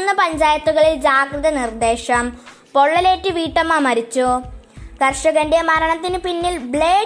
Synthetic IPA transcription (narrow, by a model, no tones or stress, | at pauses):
nːɐpɐɲd͡ʑaːjɐt̪ːuɣɐɭild͡ʑaːɡrɨðɐnird̪e̞ːɕɐm | po̞ɭːɐleːtːɨʋiːʈːɐmːɐmɐɾit͡ɕːukɐrʂɐɣɐnde̞mɐɾɐɳɐt̪ːinɨpinːilbɭeː